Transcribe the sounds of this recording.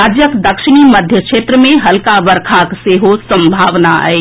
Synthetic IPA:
aːd͡ʒjəkd̪ɐkʃɪɽ̃iməd̪ʱjəkʃeːt̪ɾəmẽɦɐlkaʋəɾkʰakseːɦosə̃mbʱaːʋnaa̰e

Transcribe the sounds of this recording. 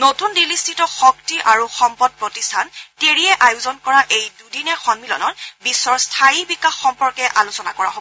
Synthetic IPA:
notundilistʰitɔxɔktiʔaɹuxɔmpɔd̚pɹotistʰanteɹiɛʔajuzɔnkɔɹaʔejdudinɛxɔnmilɔ̰nɔtbisːɔɹstʰajibikaxːɔmpɔɹkɛʔalusɔnakɔɹa̰ɦobɔ

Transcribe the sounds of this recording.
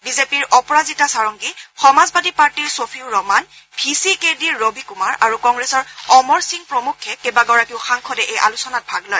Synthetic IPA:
bizepiɹɔpɔɹazitasaɹɔŋɡixɔmazbadipaɹtiɹsofʰiʊɹɔman | bʱisikediɹːobʱikumaɹʔaɹukɔŋɡɹesɔɹɔmɔɹsiŋpɹomukʰːɛkebaɡɔɹakiʊxaŋkʰɔdɛʔejʔa̰lusɔnat̚bʱaɡlɔj

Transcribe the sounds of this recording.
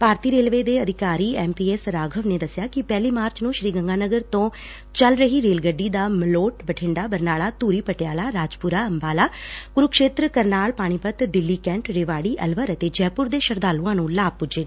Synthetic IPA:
paːɾt̪iːɾeːlʋeːd̪eːəd̪ʱɪkaːɾiːɛːmpiːɛːsɾaːɡʱəʋneːd̪əsjaːkɪpɛːliːmaːɾt͡ʃnũːʃɾiːɡəŋɡaːnəɡəɾt̪õː | t͡ʃəlɾəɦiːɾeːlɡəɖːiːd̪aːməloːʈbəʈʰɪ̃ːɳɖaːbəɾnaːlaːt̪uːɾiːpəʈɪjaːlaːɾaːd͡ʒpʊɾaːəmbaːlaːɡ̥ʊɾʊkʃeːt̪ɾəkəɾnaːɭpaːɽ̃iːpət̪d̪ɪlːiːkɛ̃ːɳʈɾeːʋaːɽiːʔəlʋəɾət̪eːd͡ʒɛːpʊɾd̪eːʃəɾd̪aːlũãːnũːlaːb̚pʊd͡ʒeː

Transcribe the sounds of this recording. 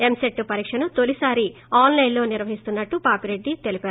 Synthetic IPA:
e̞mseʈːupɐɾiːkʂɐnut̪o̞lisaːɾi | aːnlɐjnlo̞ːniɾʋɐɦist̪unːɐʈːupaːpiɾe̞ɖːit̪e̞lipæːɾ

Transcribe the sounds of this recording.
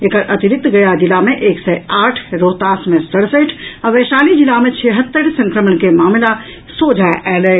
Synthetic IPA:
ekəɾʔət̪iɾik̚t̪ɡəjad͡ʒilameʔeksɛaʈʰɾot̪asmesəɽsəʈʰaʋəsalid͡ʒilamet͡ʃʰeɦət̪ːəɾsə̃ŋkɾəmənkemamla | sod͡ʒʱaʔɛlɛ

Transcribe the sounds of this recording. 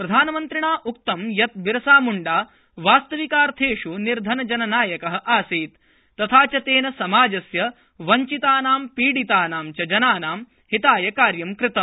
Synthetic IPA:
pɾɐd̪ʱaːnɐmɐnt̪ɾiɳaːʔuk̚t̪ɐmjɐt̪̚biɾɐsaːmuɳɖaː | ʋaːst̪ɐʋikaːɾt̪ʰeːʂuniɾd̪ʱɐnɐd͡ʒɐnɐnaːjɐkɐɦɐ̆ʔaːsiːt̪ː | ɐt̪ʰaːt͡ʃɐt̪eːnɐsɐmaːd͡ʒɐsjɐ | ʋɐɲt͡ʃit̪aːnaːmpiːɽit̪aːnaːmt͡ʃɐd͡ʒɐnaːnaːm | hit̪aːjɐkaːɾjɐmkɾɪt̪ɐm

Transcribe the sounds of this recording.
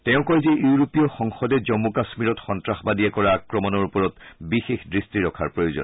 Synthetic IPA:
tɛʊ̃kɔjzejuɹopijɔxɔŋxɔdɛd͡ʒɔmːukasmiɹɔtxɔntɹaxbadijɛkɔɹaakɹɔmɔnɔɹupɔɹɔtbixexdɹistiɹɔkʰa̰ɹpɹojozɔ̰n

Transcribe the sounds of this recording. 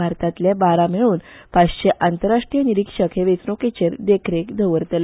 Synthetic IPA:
aɾt̪at̪ljabaɾamiɭuːnpaɕɕeʔant̪əɾːaʂʈɾijəniɾikʂəkʰeʋet͡snoket͡ɕeɾd̪ekʰɾekd̪ʱəʋəɾt̪əl

